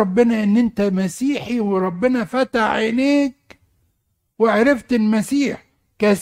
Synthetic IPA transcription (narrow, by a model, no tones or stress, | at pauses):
ɑbːɪnæʔɪnːʔɪnt̪æmæsiːħiwɪɾˤɑbːɪnæfæt̪aħɪneːk̚ | wɪʕaɾɑft̪ɪlmæsiːħ | kæs